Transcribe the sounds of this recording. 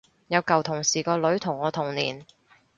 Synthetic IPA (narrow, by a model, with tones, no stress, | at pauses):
jɐ˨˧wkɐ˨wt̪ʰʊ˨˩ŋsiː˨˩kɔː˧lɵ˨˥ɥt̪ʰʊ˨˩ŋːɔː˨˧t̪ʰʊ˨˩ŋnḭː˨˩n